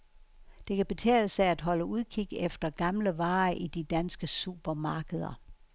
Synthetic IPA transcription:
d̥e̝kʰæb̥e̝t͡sʰɛ̰ːləsææd̥ɦɒ̽ləuðˠkʰiɡ̥efd̥ɐɡ̥ɑ̈mləʋɑ̈ːʔid̥id̥ænsɡ̥əsṵːb̥ɐmɑ̈ːɡ̥əð̞ˠɐ̰

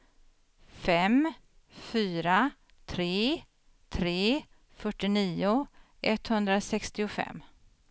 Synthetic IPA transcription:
fɛm | fyːɾa | t̪ʰɾeː | t̪ʰɾeː | fœʈːɪniːʊ | ʔɛt̪ːhɵnd̪ɾasɛkst̪ɪʊfɛ̰mː

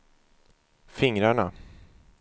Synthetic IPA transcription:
fɪŋɾaɳa

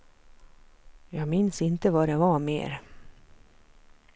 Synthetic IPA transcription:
jɑːɡmɪnsɪnt̪əvaɖɛvɑmḛːɾ

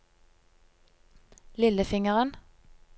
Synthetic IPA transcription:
lɪləfɪŋəʁən

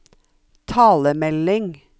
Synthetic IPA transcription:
t̪ʰɑːləmɛlɪŋ

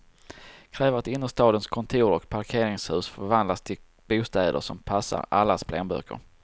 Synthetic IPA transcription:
kʰɾɛːvəɾat̪ɪnːəʂt̪ɑːd̪ənskʰɔnt̪ʰuːɾɔkpʰaɾkʰeːɾɪŋshʉ̟ːsfœɾvand̪last̪ʰɪl | b̥uːst̪ɛːd̪ə̰ʂɔmpʰasːa̰ɾalːaspʰlɛːnbœ̰ːkə̰ɾ

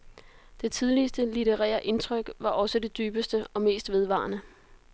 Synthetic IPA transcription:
d̥e̝t͡sʰið̞ˠlisd̥əlit͡seʁɛ̰ːɐʔe̝nt͡sʰʁœɡ̥ʋɑ̈ʔɒ̽səd̥e̝d̥yːb̥əsd̥əɒ̽me̝̰ːsd̥ʋe̝ðˠʋɑ̰̈ːnə

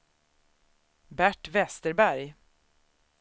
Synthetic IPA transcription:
bæʈvɛst̪əɾbæɾj

